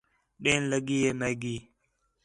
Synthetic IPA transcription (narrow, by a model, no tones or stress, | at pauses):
ɗenləɡiːjemeɡiː